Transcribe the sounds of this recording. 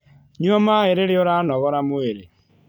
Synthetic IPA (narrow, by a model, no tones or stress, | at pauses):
ɲuɔmaeɾeɾeoɾaːnɔɣɔɾamoeɾe